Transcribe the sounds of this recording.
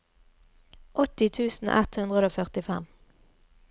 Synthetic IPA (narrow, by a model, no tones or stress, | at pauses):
ʔɔt̪ɪt̪ʰʉːsn̩ʔɛ̰t̪hʉnd̪ʁəd̪oːfœʁt̪ɪfɛm